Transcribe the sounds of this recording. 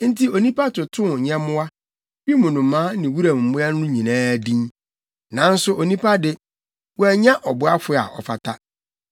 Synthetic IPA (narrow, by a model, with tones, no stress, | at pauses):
n̩˦tʰi˦o˨nĩ˦pa˦tʊ˨tʰʊ̃˦˨ɲɛ̃˦mʊ̃˦a˦ | bi˦mʊ̃˨nʊ̃˨mːãː˦nɪ̃˨wu˦ɾã˨m˨m̩˨mʊ̃˦a˦nʊ̃˦ɲĩ˨nãː˦˨dĩ˦n | nã˨˦n̩˦sʊ˦ʔo˨nĩ˦pʰa˦dɪ˦ | wɔ˦æ˨ɲã˦ʔɔ˨bʊ˦a˦fʊ˦˨a̰˨ʔɔ̰˨fa˨tʰa˦